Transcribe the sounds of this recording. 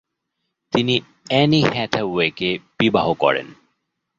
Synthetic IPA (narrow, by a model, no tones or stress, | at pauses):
t̪ini | ɛnihɛt̪ʰaekeb̥ibaɦokɔ̰ɾḛn